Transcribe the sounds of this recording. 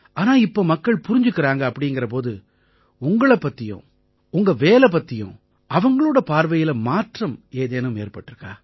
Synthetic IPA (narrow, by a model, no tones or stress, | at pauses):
ʔaːnaːɪpːoːmɐkːɐɭpʊɾɪɲd͡ʒɯkːɪɾaːŋɡɐːpːɐɽɪŋɡɪɾɐp̬oːðɯ | ʊŋɡɐɭɐpːɐt̪ːɪjʊ̰̃ː | ʊŋɡɐʋeːlɛp̬ːɐt̪ːɪjʊ̰̃ | ɐʋɐŋɡɐɭoːɽɐpaːɾʋɐjɪlɐmaːʈrɐmeːðeːnɯmeːɾpɐʈːɪɾɯkːa̰ː